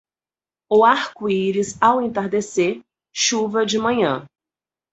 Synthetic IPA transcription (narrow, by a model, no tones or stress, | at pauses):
ʊaɾkʊiɾɪzawẽt̪aɾd̪eseɾ | ʃuvɐd͡ʒɪmɐ̃ɲɐ̰̃